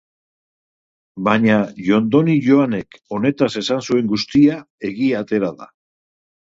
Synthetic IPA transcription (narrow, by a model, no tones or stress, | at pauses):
baɲaʝo̞nd̪o̞niʝo̞ane̞ko̞ne̞t̪ase̞sansue̞ŋɡust̪ia | e̞ɣiat̪e̞ɾaða̰